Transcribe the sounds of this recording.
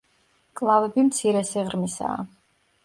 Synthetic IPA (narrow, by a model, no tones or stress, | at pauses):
kʼlˠavɛbimt̪sʰiɾɛsiʁɾmisa̰ː